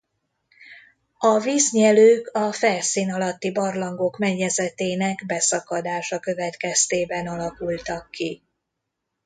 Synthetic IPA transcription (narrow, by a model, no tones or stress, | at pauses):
ɒviːzɲɛløːkɒfɛlsiːnɒlɒt̪ːibɒrlɒŋɡo̞kmɛɲːɛzɛt̪eːnɛɡbɛsɒkɒd̪aːʃɒkø̞vɛt̪kɛst̪eːbɛnɒlɒkult̪ɒkːi